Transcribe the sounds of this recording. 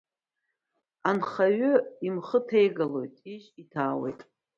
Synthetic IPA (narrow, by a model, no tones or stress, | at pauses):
anχaɥʊimχətʰe̞jɡalo̞̰jtʼiʒitʰaːwe̞̰jtʼ